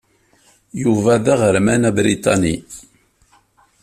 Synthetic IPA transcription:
juvæðæʁəɾmænæbɾit̪ˤɑni

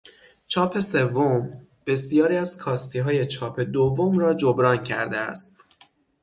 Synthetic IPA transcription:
t͡ʃʰɒːpʰe̞se̞vːom | b̥e̞sijɒːɾiːæz̥kʰɒːst̪ʰiːɦɒːje̞t͡ʃʰɒːpʰe̞d̪ovːomɾɒːd͡ʒobɾɒːncʰæ̰ɾd̪eæ̰st̪

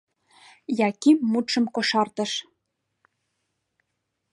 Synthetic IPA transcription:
jɑkimːut̪ʃɤ̆mkoʃɑrt̪ɤ̆ʃ

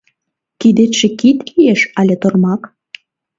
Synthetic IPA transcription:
kid̪et̪ʃĕkit̪lijeʃɑlʲet̪ormɑk

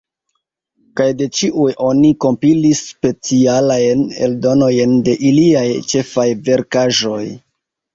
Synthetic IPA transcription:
kajde̞t͡ʃiʔujʔo̞niko̞mpilisːpe̞t͡sialajne̞̰ldo̞no̞jnde̞ʔiliajt͡ʃe̞fajve̞ɾkaʒo̞j

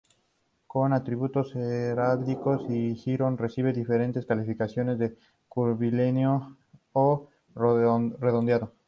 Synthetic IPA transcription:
ko̞nat̪ɾiβut̪o̞seɾaβliko̞sixiɾonre̞siβe̞ðife̞ɾe̞nt̪e̞skalifikasjo̞ne̞zðe̞ | kuɾβilenjo | o | reðond̪jaðo

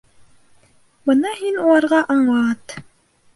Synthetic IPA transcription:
bɤnɑhinulˠɑɾʁɑʔɑɴlˠɑt̪

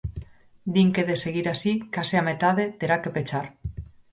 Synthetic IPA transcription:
d̪iŋkeðeseɣiɾasikaseamet̪aðet̪eɾakepet͡ʃaɾ

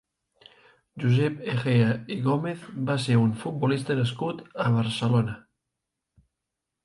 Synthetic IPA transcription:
ʒuzepexeaiɣomeθbaseɾuɱfut̪̚bolist̪anaskut̪aβ̞aɾselona

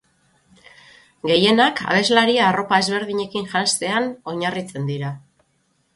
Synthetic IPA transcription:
ɡe̞je̞naka̰βe̞zlaɾiaːro̞pae̞zβe̞ɾðiɲe̞kinʝanst̪e̞ano̞ɲarit͡se̞nd̪iɾa

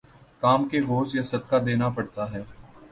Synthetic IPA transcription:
kaːmkeɣoːt͡ʃjɐsɐd̪̚kad̪eːnapɐɽt̪aɦɛː

